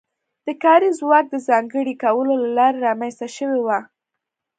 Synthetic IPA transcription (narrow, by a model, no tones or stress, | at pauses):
d̪̥əkɑɾizwɑk̚d̪əzɑŋɡəɽikawəlolalɑɾaɾɑmanst̪aʃəwewa